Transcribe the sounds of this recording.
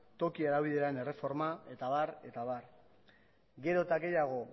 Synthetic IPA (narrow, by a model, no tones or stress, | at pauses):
t̪o̞kieɾaβiðeɾaene̞re̞fo̞ɾmae̞t̪aβaɾe̞t̪aβar | ɡe̞ɾo̞t̪aɣe̞jaɣ̞o̞